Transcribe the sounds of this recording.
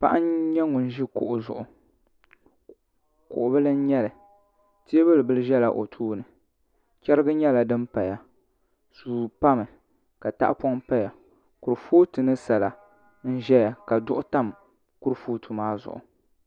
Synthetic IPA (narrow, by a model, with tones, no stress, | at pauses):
pa̰˦ʔa˦ɲɛ˦ŋʊ˨n̩˦ʒi˦kʊ̰˨ʔʊ˨zʊ̰˨ʔʊ˨ | kʊ̰˨ʔʊ˨bɨ˦lɨ˦n̩˦ɲɛ˦lɨ˨ | ti˦e˦bɨ˦lɨ˨bɨ˦lɨ˦ʒɛ˦la˨ʔo̰˨tʰuː˦nɨ˨ | t͡ʃʲɛ˦ɾɨ˦ɡɨ˦ɲɛ˦la˨dɨ˦mpa˨ja˨ | suː˨pa˦mɨ˨ | ka˨ta̰˦ʔpɔ˦ŋpa˦ja˨ | ku˨ɾfoː˦tɨ˨nɨ˦sa˨la˨ | n̩˦ʒɛ˦ja˨ka˨dʊ˦ʔʊ˦ta˦m | ku˦ɾfoː˦tʰu˨maː˦zʊ̰˨ʔʊ̰˨